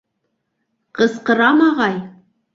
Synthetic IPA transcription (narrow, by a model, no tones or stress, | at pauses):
qəsqə̆ɾɑmɑʁɑj